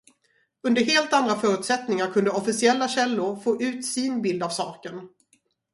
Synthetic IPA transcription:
ɵnd̪əɾɦeːlt̪and̪ɾafœːɾʉ̟ːt̪sɛt̪nɪŋaɾkʰɵnd̪əɔfɪsɪɛlːaɕɛlːʊɾfoːʔʉ̟ːt̪sɪnbɪld̪avsɑːkən

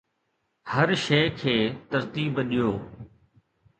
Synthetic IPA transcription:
həɾʃeːkʰeːt̪əɾt̪iːbɗɪjoː

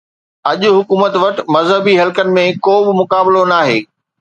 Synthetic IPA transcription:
ɐʄʊɦʊkuːmət̪ʋɐʈ̆mɐzɦəbiɦɐlkənɪ̆mẽkoːbɪmʊkaːbɪlonaːɦeː

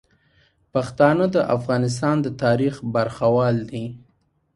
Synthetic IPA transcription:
paxt̪ɑnəd̪əʔafɣɑnɪs̬t̪ɑnd̪ət̪ɑɾixbaɾxawɑld̪i

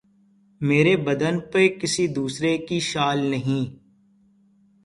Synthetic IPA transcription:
meːɾebɐd̪ənpekɪsid̪uːsɾekiʃaːlnɐɦĩː

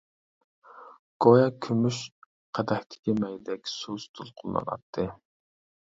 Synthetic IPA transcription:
ɡ̥ojɑkʲʰymyʃ | qʰæd̪ɛhʲt̪ʰɪ̥kʲimɛjd̪ɛkʲsust̪ʰulˠqʰʊlˠːɑ̰nɑ̰t̪ʰːɨ

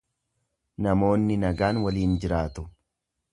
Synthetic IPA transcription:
nɐmo̞ːnːɪnɐɡaːnwɐliːnd͡ʒɪɾaːt̪ʊ

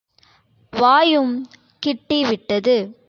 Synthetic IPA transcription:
ʋaːjɯm | kɪʈːiʋɪʈːɐðɯ

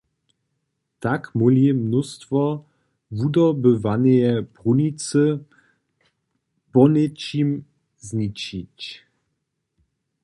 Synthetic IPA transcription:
t̪akmulimnust̪vɔ | vud̪ɔbəvanɛjɛpʁunit͡sə | pɔnet͡ɕim | znit͡ʃit͡ɕ

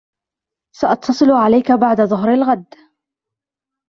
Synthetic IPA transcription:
saʔɑt̪ʰːɑsˤɨlʕalajkabaʕd̪aðˤʊɦɾalɣad̪ː

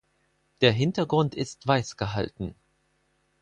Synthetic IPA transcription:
d̥eːɐɦɪntɐɡʁʊntʰɪstv̥aɪsɡ̥əɦa̰ltn̩

